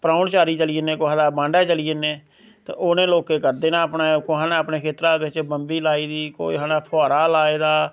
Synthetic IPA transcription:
pɾaːʊnt͡ʃaːɾiːt͡ʃəliːenẽːkoɦãːd̪aːbãːɳɖɛːt͡ʃəliːeneː | t̪ḛoːnẽːloːkːeːkəɾd̪eːnãːəpnaːkoɦaːnãəpneːkʰeːt̪ɾaːd̪ʋɪt͡ʃbəmbiːlaːiːd̪iːko̰ːḭɦanaːpʰɔːɾaːlaːeːd̪aː

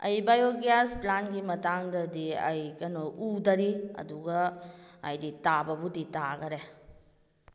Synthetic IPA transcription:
ɐ̰jbajoɡjasplanɡimɐtaŋdɐdiɐ̰jkɐnoʔudɐɾiɐ̰duɡɐː | jditabɐbuditaɡɐɾe

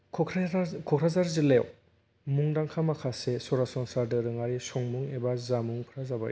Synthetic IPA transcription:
kʰkʰkʰɔkʰɾazaɾzilḛw | muŋdaŋkʰamakʰasesɔɾasɔŋsadɯɾɯŋaɾisɔŋmuŋebazamuŋpʰɾazaba̰j

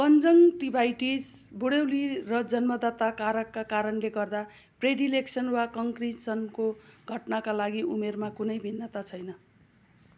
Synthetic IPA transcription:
kʌnd͡zʌŋʈibʱajʈisbʱuɽewlirʌd͡zʌnmʌd̪at̪akaɾʌkːakaɾʌnleɡʌrd̪a | preɽileksʌnwakʌŋkrisʌnkoɡʱʌʈnakalaɡiumermakunʌjbʱinːʌt̪at͡sʰʌjnʌ

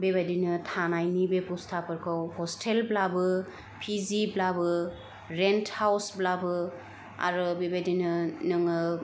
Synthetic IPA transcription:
bebajdinɯtʰanajnibepustʰapʰɯɾkʰɯwhɔstʰelblabɯ | pʰiziblabɯ | ɾenthawsblabɯ | a̰ɾɯbebajdinɯnɯŋɯ

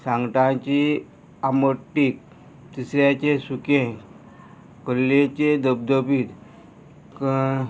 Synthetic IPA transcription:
sãŋɡʈãt͡ɕi | aməʈːiːk̚ | t̪isɾjãt͡ɕesukẽ | kəlːet͡ɕed̪əb̚d̪əpiːt̪ | k

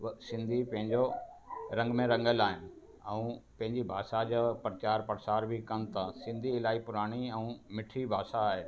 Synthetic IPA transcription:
sɪ̃nd̪ʱipɐ̃ɦɪ̃ɲd͡ʑoɾɐ̃ŋɡmẽɾɐ̃ŋɡəlaːɦɪnɪ̆ | ɛ̃ũpɐ̃ɦɪ̃ɲd͡ʑibʱaːʃad͡ʑaːpɾət͡ɕaːɾpɐɾsaːɾbʱikɐn̆t̪ɐsɪ̃nd̪ʱiɪlaːɦipʊɾaːɽ̃iɛ̃ũmɪʈʰɾibʱaːʃaːɦe

